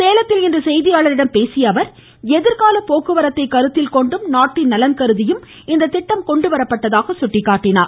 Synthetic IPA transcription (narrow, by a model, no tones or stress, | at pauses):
seːlɐt̪ːɪlɛndrɐsɛjðɪjaːɭɐɾɪɽɐmpeːsɪjɐʋɐɾ | ɛðɪɾkaːlɐpoːkɯʋɐɾɐt̪ːɐɪkːɐɾɯt̪ːɪlkɔɳɖɯmnaːʈːɪnːɐlɐnkɐɾɯðɪjɯm | ɪnd̪ɐt̪ːɪʈːɐmkɔɳɖɯʋɐɾɐpːɐʈːɐðaːɣɐsʊʈːɪkːaːʈːɪna̰ːɾ